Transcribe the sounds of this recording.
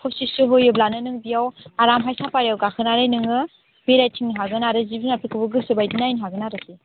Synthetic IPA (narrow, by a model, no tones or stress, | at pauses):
kʰɔsisɯɦojɯblanɯnɯŋbijawaɾamɦajsapaɾijawɡakʰɯnaɾajnɯŋɯ | b̥eɾajtʰiŋnɦaɡɯnaɾɯzibinapʰikʰɯbɯɡɯsɯbajdinajnɦaɡɯnaɾɯsi